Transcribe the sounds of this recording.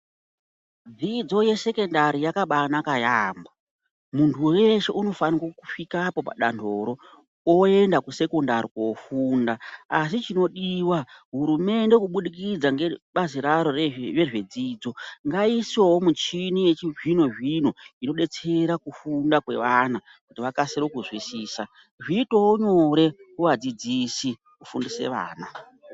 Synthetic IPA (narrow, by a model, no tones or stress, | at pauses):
d͡zid͡zo̞je̞se̞ke̞ndaɾijakaɓanakajaːmba | muntʰuweʃe̞̰ʔuno̞fanikokufikapo̞pa̰ɗa̰ndʰʱo̞ːɾo̞ | oe̞ndakuse̞konda̰ɾikofuːndaas̬it͡ʃino̞ɗiwaɦuɾume̞nde̞kuɓuɗikid͡zaŋɡeɓaziɾaɾo̞rre̞ʐe̞d͡ziːd͡zo̞ŋɡaisowomut͡ʃinijet͡ʃiʐino̞ʐino̞ino̞ɗe̞t͡se̞ɾakufundakwe̞̰ʋana | kutiʋakaseɾokuzwisiːsa | ʐiːto̞oɲo̞ɾe̞kuʋad͡zid͡zisi | kufundise̞̰ʋa̰ːna